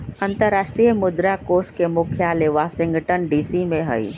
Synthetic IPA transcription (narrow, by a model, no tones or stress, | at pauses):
ɐ̃nt̪əɾːaːʃʈɾijəmʊd̪ɾakoːskemʊkʰjaːleʋasɪ̃ŋɡʈənɖiːsimẽɦə̰ḭ